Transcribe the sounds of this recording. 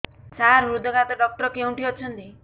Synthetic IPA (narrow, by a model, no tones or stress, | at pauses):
t͡ʃaɾɾud̪ʱɔɡat̪ɔɖɔk̚ʈɔɾkeũɳʈiɔt͡ʃʰɔnt̪i